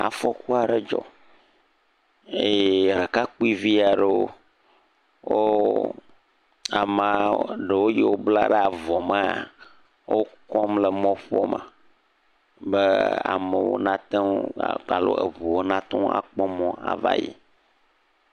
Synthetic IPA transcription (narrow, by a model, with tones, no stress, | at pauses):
a̰˨fɔ˦ku˦a˨ɖe˦d͡ʒɔ̰˨ | e˦jɾe˨ka˦k͡pu˦i˦vi˦a˨ɖe˦wo˦ | wo˦ | a˨ma˨ɖe˨wo˦ji˦wo˦bla˦ɖɛ˦a˨vɔ˨mə˦a˨ | wo˦kɔ˦mlə˨mɔ̃˦ɸɔ˦mə̰̃˨ | be˦a̰˨mə˨wo̰˦nã˦t̪ɛ˦˨k͡pa˨lo̰˦ḛ˨βu˨wo˦nã˦t̪ɔ̃˦a̰˨k͡pɔ˦mɔ̃˦a̰˨va̰˦jḭ˨